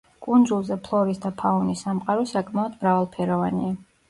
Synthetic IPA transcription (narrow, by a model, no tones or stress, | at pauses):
kʼund̪zulˠzɛpʰlˠɔɾisd̪apʰaɔnisːamqʼaɾɔsakʼmaɔd̪mɾavalˠpʰɛɾɔvania